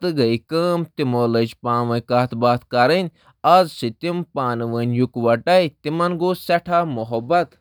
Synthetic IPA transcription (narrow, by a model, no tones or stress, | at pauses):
t̪ɨɡɐikəːmt̪imoːləd͡ʒpãːnʋɐjkaːt̪baːt̪kɐɾənʲ | ɐzsit̪impaːnɨʋənʲjukʋɐʈɐit̪imɐnɡoːsɐʈʰaːmuɦɐbɐt̪